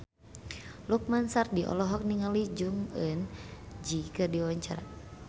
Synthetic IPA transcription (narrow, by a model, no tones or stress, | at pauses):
luk̚mansardiʔɔ̰lɔɦɔk̚niŋalid͡ʒuŋənd͡ʒikɨrdiwaɲt͡ʃaɾa̰